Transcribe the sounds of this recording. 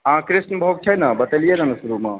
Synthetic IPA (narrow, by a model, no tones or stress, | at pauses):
ɦãkɾisnəbʱoɡ̚t͡ʃʰənabət̪elijenɐnusɾume